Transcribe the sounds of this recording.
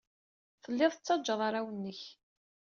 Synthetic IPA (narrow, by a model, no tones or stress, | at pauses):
θəlːɪðˤət͡sːɑd͡ʒːəðˤɑɾawənːəç